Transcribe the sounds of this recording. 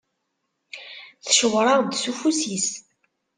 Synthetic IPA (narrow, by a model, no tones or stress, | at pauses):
θəʃəwɾˤɑʁd̪sufusis